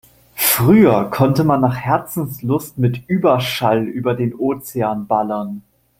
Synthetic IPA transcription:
fʁ̥yːɐkʰɔntəmanːaːχhɛɐt͡sn̩slʊstmɪtʔyːbɐʃalyːbɐdeːnʔoːt͡seaːnbalɐn

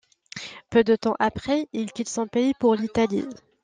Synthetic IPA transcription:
pød̪ət̪ɑ̃ʔapχɛilkʲit̪sɔ̃peipuʁlit̪alḭ

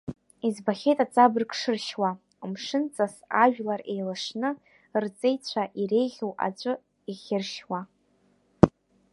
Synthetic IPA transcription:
izbaχʲejtʼat͡sʼabrkʂɨrʃwa | mʂɨnt͡sʼasaʒᶣlare̞jlaʂnɨ | rt͡sʼejt͡ɕʷʰaʔiɾe̞jʁʲowʔa̰t͡ɕʷʼʊ | iχʲɪrʃwa

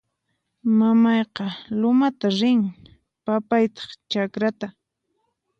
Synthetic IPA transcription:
mamɑjqɑlʊmat̪aɾɪŋ | papajt̪ɑ̥χt͡ʃakɾat̪a

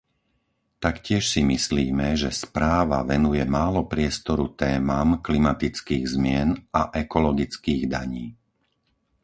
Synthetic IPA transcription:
t̪akcɪɛʃsimisliːmɛʒɛspɾaːʋa̰ʋɛnujɛmaːlɔpɾɪɛst̪ɔɾut̪ɛːmaːmklimat̪it͡skiːɣzmɪɛnaʔɛkɔlɔɡit͡skiːɣd̪a̰ɲiː

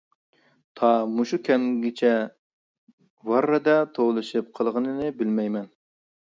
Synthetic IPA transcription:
t̪ʰɑmuʃukʲʰɛŋɡʲɪt͡ʃʰɛ | vɑɾːɨd̪ɛt̪ʰowlˠɨʃɨp̚qʰəlˠʁənɨnɨbɪlmɛjmɛn

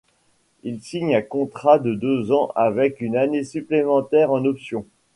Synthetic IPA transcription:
ilsiɲɛ̃kɔ̃t̪χad̪əd̪øzɑ̃ʔavɛkynanesyplemɑ̃t̪ɛʁɑ̃nɔpsjɔ̃

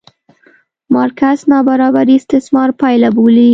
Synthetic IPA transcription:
mɑɾkaznɑbaɾɑbaɾist̪ɪsmɑɾpɑjlaboli

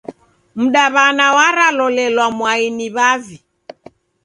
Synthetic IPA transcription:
m̩ɗaβanawaɾalɔlɛlwamwainiβavi

